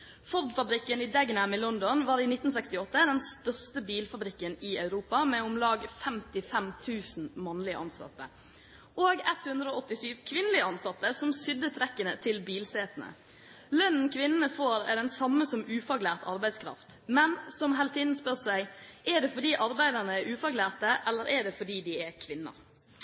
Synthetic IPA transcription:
fɔɾd̪fɑbɾɪkːənɪd̪ɛɡnæmɪlɔnd̪ɔnʋɑːɾiːnɪt̪n̩sɛkst̪ɪɔt̪ːəd̪ɛnst̪œʁst̪əbiːlfɑbɾɪkːənɪɑʉɾuːpɑmɛʊmlɑːɡfɛmt̪ɪfɛmt̪ʰʉːsn̩mɑnlɪə̰ʔɑ̰nsɑ̰t̪ːə̰ | oːɡɛt̪hʉnd̪ɾəoːɔt̪ːɪsyːʋkʰʋɪnəlɪəɑnsɑt̪ːəsɔmsʏd̪ət̪ʰɾɛkːənət̪ʰɪlbiːlseːt̪ənə̰ | lœnn̩kʰʋɪnːənəfoːɾɛ̰d̪ɛnsɑmːəsɔmʉːfɑɡlæːʁt̪ʰɑɾbæɪd̪skʰɾɑ̰ft̪ | mɛnsɔmɦɛlt̪ɪnspœɾsæɪʔɛɖ̪ɛfɔɖ̪iːʔɑɾbæɪd̪əʁnəɛʉːfɑɡlæːʁt̪əʔɛlːəɾɛɖ̪ɛfɔɖiːd̪ɪɛkʰʋɪnːə̰ɾ

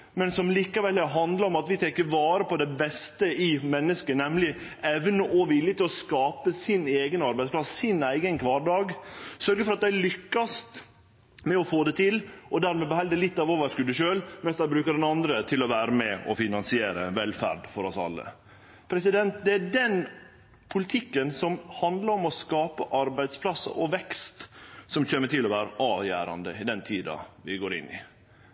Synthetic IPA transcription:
mɛnsɔmliːkɑʋɛlɦɑnd̪ləɾɔmɑt̪ʋɪt̪ʰɛkːəʋɑːɾəpʰɔd̪ɛbɛst̪əɪmɛnːəskənɛmlɪɛʋnəʔɔʋɪljət̪ɪlɔskɑːpəsɪneːɡənɑɾbæɪd̪spʰlɑsːɪnæɪɡənkʰʋɑːɾɖɑːɡsœɾɡəfɔɾɑt̪̚d̪æɪlʏkːɑst̪ | mɛɔfoːd̪ɛt̪ʰɪlʔɔd̪æɾmɛbəhɛld̪ɛlɪt̪ːɑʋoːʋəʂkʉd̪əʃøːlmɛnsd̪æɪbɾʉːkəɖɛnɑnd̪ɾət̪ʰɪlɔʋæːɾəmɛɔfɪnɑnsɪeːɾəʋɛlfæ̰ɖfɔɾɔsɑ̰lːə̰ | pʰɾɛsɪd̪ɛnt̪̚d̪ɛæɖɛn | pʰʊlɪt̪ʰɪkːənsɔmhɑnd̪ləɾɔmɔskɑːpəʔɑɾbæɪd̪spʰlɑsːə̰ʔɔʋɛkst̪sɔmçeːməʈ̪ɪlɔʋæːɾəʔɑːʋjæ̰ːɾɑ̰nd̪əɪd̪ɛnt̪ʰiːd̪ɑ̰ʋɪɡoːɾɪ̰nːɪ̰

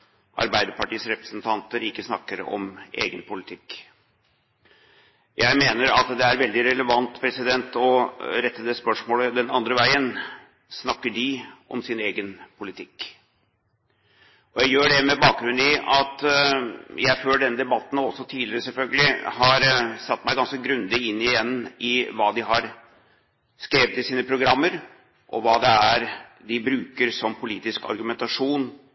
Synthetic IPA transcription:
ʔɑ̰ɾbæɪd̪əɾpɑʈiːsɾɛpɾəsnt̪ʰɑnt̪əɾɪkːəsnɑkːəɾɔ̰mʔḛːɡənpʰʊlɪt̪ʰɪkː | jʔæɪmeːnəɾɑt̪d̪ɛæɾʋɛld̪ɪɾɛləʋɑnt̪pʰɾɛsɪd̪ɛnt̪ɔɾɛt̪ːəd̪ɛspœʂmoːləd̪ɛnɑnd̪ɾəʋæɪən | snɑkːəɖɪʔɔmsɪneːɡənpʰʊlɪt̪ʰɪkː | ʔɔjæɪjøːɖɛmɛbɑːk̚ɡɾʉnːɪʔɑt̪ | jʔæɪføːlɖɛnəd̪ɛbɑt̪ːnɔsːɔt̪ʰiːlɪɾəsɛlfœlɡəlɪhɑɾsɑt̪ːmæɪɡɑnskəɡɾʉnd̪ɪɪnːɪjɛnːɪʋɑːd̪ɪɦɑɾ | skɾeːʋət̪ɪsiːnəpʰɾʊɡɾɑmːəɾ | ʔɔ̰ʋɑːd̪ɛæɾ | d̪ɪbɾʉːkəɾsɔmpʰʊliːt̪ɪskɑ̰ɾɡʉmɛnt̪ɑʂuːn

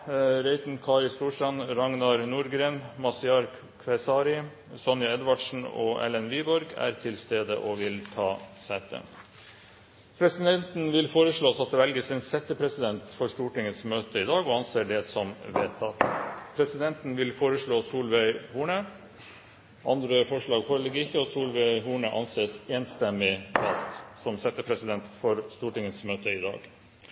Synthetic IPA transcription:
ɾɛɪt̪n̩kʰɑːɾɪst̪uːʂʈɑnɾɑŋnɑɾnuːɾɡɾeːnmɑsɪɑɾk | kʰʋɛɪsɑːɾɪ | sɔnjɑɛd̪ʋɑɖʂn̩o̰ːʔɛ̰lɛnʋeːbɔɾɡæ̰ːɾt̪ʰɪlst̪eːd̪ə̰ʔoːʋɪlt̪ʰɑːsæːt̪ʰə̰ | pʰɾɛsɪd̪ɛnt̪nʋɪlfoːɾəʂɭoːsɑt̪̚d̪ɛʋɛlɡəsɛnsɛt̪ːəpʰɾɛsɪd̪ɛnt̪fɔɾʂt̪uːʈɪŋːəsmøːt̪əɪd̪ɑːɡɔɑnseːɖɛsɔmʋeːt̪ʰːɑt̪pʰɾɛsɪd̪ɛnt̪n̩ʋɪlfoːɾəʂɭoːsuːlʋæɪhuːɳə | ʔɑ̰nd̪ɾəfɔʂɭɑːɡfɔləɡəɪçːəɔsuːlʋæɪɦuːɳəʔɑ̰nseːseːnst̪ɛmːɪɑlt̪sɔmsɛt̪ːəpʰɾɛsɪd̪ɛnt̪fɔɾst̪uːʈɪŋːəsmøːt̪əɪd̪ɑ̰ːɡ

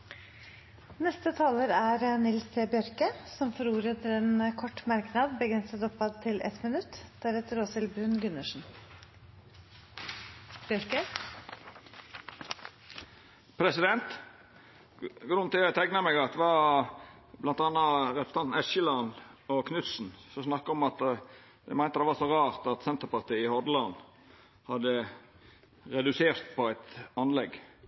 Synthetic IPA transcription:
nɛst̪ət̪ʰɑːləɾæɾənɪlsəbɪœɾkəsɔmfɔɾuːɾət̪ʰəɛnkʰɔʈːmɑɾknɑd̪bəɡɾɛnsəd̪ɔpːɑd̪̚t̪ʰɪlʔɛ̰t̪mɪnʉt̪ːd̪̥æɾʋeːt̪əɾoːsɪlbɾʉnɡʉnəʂn̩ | bjœɾkə | pʰɾɛsɪd̪ɛnt̪ | ɡɾʉnt̪ɪlæt̪ʰæknɑmɛɡɑt̪ʋɑ | blɑnt̪ɑnːɑɾɛɾəst̪ɑnt̪n̩ɛʃəlɑnɔkʰnʉt̪sn̩sɔsnɑkːɑɔmɑt̪ | d̪æ̰ɪmæɪnt̪əd̪ɛʋɑsɔɾɑːɾt̪ɑt̪sɛnt̪əɾpɑɾt̪ʰiːɪhɔd̪lɑn | hɑd̪ə | ɾɛd̪ʉseːɾt̪pʰɔæɪt̪ɑnlɛɡ

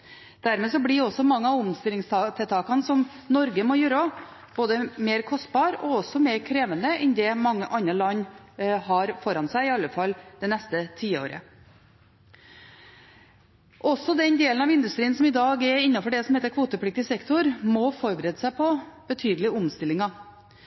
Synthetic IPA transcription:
d̪̥æɾmeːsɔblɪɔsɔmɑŋːəɑʊmst̪ɪlɪŋst̪ɑt̪ʰɛt̪ʰɑːkɑnsɔm | nɔɾɡəmɔjøːɾ | b̥oːd̪əmeːɾkʰɔst̪̚bɑːɾɔɔsɔmeːɾkʰɾeːʋənəʔɛnd̪ɛmɑŋːəʔɑnɑlɑɲːhɑɾfɔɾɑnsæɪɪɑlːəfɑlːd̪̥ɛnɛst̪ət̪ʰiːo̰ːɾə̰ | ʔɔsːɔd̪ɛnd̪eːlnɑʋɪnd̪ʉst̪ɾiːənsɔmɪd̪ɑːɡɛɾɪnːɑfɔɖɛsɔm̩heːt̪əɾkʰʋuːt̪əpʰɽɪk̚t̪ɪsɛkt̪ʊɾmɔfɔɾbəɾeːd̪əsæɪpʰɔb̥ət̪ʰyːd̪əlɪʊmst̪ɪlːɪŋɑ

